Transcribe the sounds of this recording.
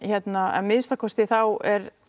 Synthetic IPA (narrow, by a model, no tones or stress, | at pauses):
çɛt̪naɛ̰mɪðst̪akʰɔst̪ɪθawɛɾ